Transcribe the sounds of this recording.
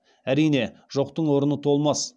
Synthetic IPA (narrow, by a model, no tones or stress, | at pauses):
æɾijne̞ʒ̥o̞qt̪əɴwo̞ɾənət̪ʰo̞lˠmɑs